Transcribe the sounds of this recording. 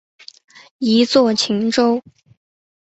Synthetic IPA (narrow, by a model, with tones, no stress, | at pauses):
i˧˥t͡swɔ˥˩t͡ɕʰi˧˥ŋʈ͡ʂo˥ʊ